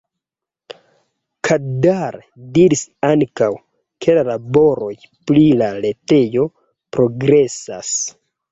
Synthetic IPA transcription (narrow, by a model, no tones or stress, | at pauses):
kʰadaɾ | diɾisaŋkaw | kʰe̞lalabo̞ɾo̞j | plilale̞te̞jo̞ | pɾo̞ɡɾe̞sa̰s